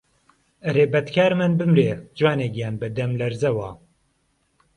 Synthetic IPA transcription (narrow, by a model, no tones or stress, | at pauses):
ɨɾeːbɛt̪kʰaːɾmɨnbɨmɾeːd͡ʒwaːnɛɡjaːnbɨd̪ɛmlɛɾzɛwaː